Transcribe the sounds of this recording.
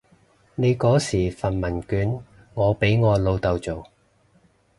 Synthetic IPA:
ne˨˧jkɔː˨˥siː˨˩fɐ˨nmɐ˨˩nkyː˨˥n | ŋɔː˨˧pe˨˥jŋɔː˨˧lo˨˧wt̪ɐ˨˧wt͡so˨w

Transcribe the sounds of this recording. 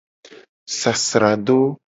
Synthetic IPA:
sa˨sɾa˨d̪o˦

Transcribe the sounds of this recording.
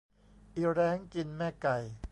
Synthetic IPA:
ʔi˧˩ɾɛː˦˥ŋki˧nmɛː˥˩ka˨˩j

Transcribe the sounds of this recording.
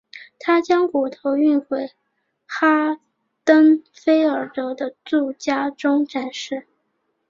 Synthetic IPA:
t̪ʰa˥t͡ɕjɑ˥ŋku˨˩t̪ʰo˧˥ʊy˥˧nxwe˧˩ɪ | xa˥ | t̪ə˥ŋ | fe˥ɪə˞˨˩t̪ɤ˧˥d̪ə˧t͡su˥˩t͡ɕja˥ʈ͡ʂʊ˥ŋʈ͡ʂa˨˩nʂɻ̩˥˩

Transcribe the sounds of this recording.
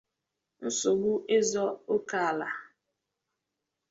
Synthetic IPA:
n̩˦sʊ˨ɡ͡bu˦ʔe˦zɔ˦o˦ka˦˨a˨la˨

